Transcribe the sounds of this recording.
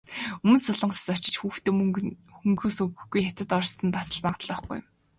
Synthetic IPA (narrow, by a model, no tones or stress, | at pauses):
ɵmɵ̆nsʊɮɞ̆ɴssɔt͡ɕɪ̆t͡ɕxuːxt̪eːxuŋɡɵːsɵɣɵ̆xɡujxat̪ɘ̆t̪ɔrst̪ə̆npasə̆ɮpaːɴqt̪ɮɔːχɡṵj